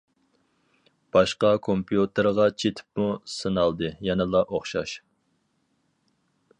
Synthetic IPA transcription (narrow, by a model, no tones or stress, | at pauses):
b̥ɑʃqɑkʰompʰijut̪ʰɨɾʁɑt͡ʃʰet̪ʰɪ̥p̚musɨnɑlˠd̪ɨjɛnɨlˠɑʔoχʃɑ̰ʃ